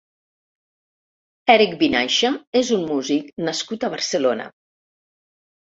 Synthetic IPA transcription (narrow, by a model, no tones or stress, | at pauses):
ɛɾikbinaʃaezummuziknəskut̪əβəɾsəlonə̰